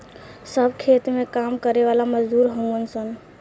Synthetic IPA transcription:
səbʱkʰet̪mẽkamkəɾeʋalaməd͡ʒd̪uɾɦəmənsən

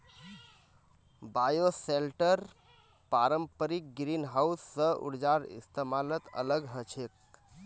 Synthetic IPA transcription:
baːjoselʈəɾ | paɾəmpəɾik̚ɡɾinɦausːəʔṵɽd͡ʒaɾḭst̪emalət̪ə̰ləɡɦət͡ʃʰek̚

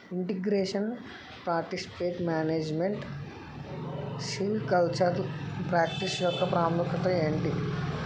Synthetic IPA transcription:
iɳʈiɡɾeːʂɐn | pɾaːɾʈisi̥peːt̪maːneːd͡ʒmeɳʈ | siʋkɐlt͡ʃɐɾlpɾaːkʈisjɔkːɐpɾaːmukɐt̪ɐeɳʈi

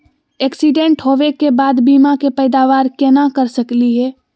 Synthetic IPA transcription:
ɛːksiɖẽɳʈɦoːʋekebaːd̪biːmakepɛːd̪aːʋaːɾkɛːnakəɾsəkliɦɛː

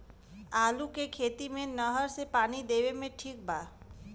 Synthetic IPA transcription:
aːlukekʰeːt̪imẽnəɦəɾsepaːnid̪eʋemẽʈʰiːk̚bʱa

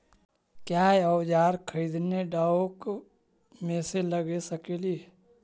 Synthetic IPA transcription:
kjaːeɔwd͡ʒaːɾkʰəid̪neɖaːok | mẽseləɡesəkelie

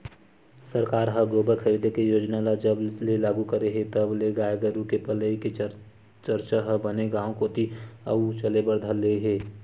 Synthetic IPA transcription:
səɾkaːɾɦəɡoːbəkʰəɾid̪ʱekejoːd͡ʒnalad͡ʒəblelaːɡukəɾeɦet̪əbleɡaːjɡəɾũkepələike | t͡ʃəɾt͡ʃaɦəbəneɡãːõkot̪iə̰ut͡ʃəlebəɾd̪ʱəleɦeː

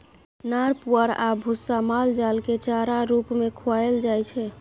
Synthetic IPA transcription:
naɾpuəɾabʱusːamald͡ʒalket͡ʃaɾaɾupmekʰaeld͡ʒajt͡ʃʰɛ

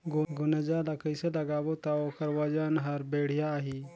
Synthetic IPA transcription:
ɡɡʊnəd͡ʒalakəjselɐɡaːwot̪aoːkəɾwɐd͡ʒanɦɐɾbeːɽ̤ijaːɦiː

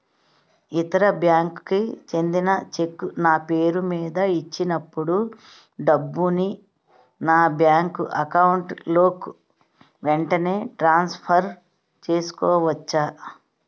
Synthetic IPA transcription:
it̪ɐɾɐbjaːŋkkit͡ʃe̞nd̪inɐt͡ʃekːunaːpe̞ːɾumiːd̪ɐit͡ʃːinɐpːuɽu | ɖɐbːuni | naːbjaːŋkuʔɐkɐwuɳʈlo̞ːku | ʋeɳʈɐne̞ːʈɾaːnspʰɐɾ | t͡ʃe̞ːsu̥kɔːʋɐt͡ʃːaː

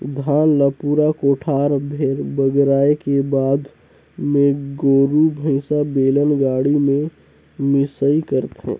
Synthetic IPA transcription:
d̪ʱaːnləpuɾakoːʈʰaːɾbʱeɾbəɡɾaːekebaːd̪ | mẽɡoːɾubʱə̃ɪsabeːlənɡaːɽimẽ | mɪsəikəɾt̪ɦɛ̰̃ː

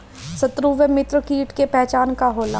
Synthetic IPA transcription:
sɐt̪ɾuːʋəmɪt̪ɾəkiːʈkepɛɦt͡ʃaːnkaɦoːla̰ː

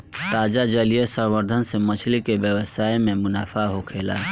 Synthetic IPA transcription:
t̪ad͡ʒad͡ʒəlijesəbəɾd̪ʱənsemət͡ʃʰlikebjəwəsaememunapʰaɦokʰela̰

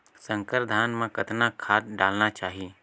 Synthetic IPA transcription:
sə̃ŋkəɾd̪ʱaːnmãkɐt̪nakʰaːt̪ɖaːlnat͡ʃaːɦi

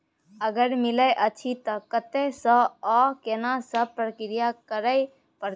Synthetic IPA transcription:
əɡəɾmiləjʔət͡ʃʰit̪ɔkət̪esə̃ɔkenasəpɾəkɾijakəɾəj | pəɾ

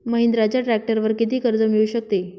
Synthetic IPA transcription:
məɦind̪ɾat͡ɕjaʈɾæk̚ʈəɾʋəɾkit̪̬iːkəɾd͡zəmiɭuɕək̚t̪e

